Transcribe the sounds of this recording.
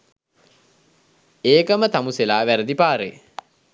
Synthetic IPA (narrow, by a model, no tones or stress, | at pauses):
eːkəmət̪amuselaːʋæɾəd̪ipaːɾḛ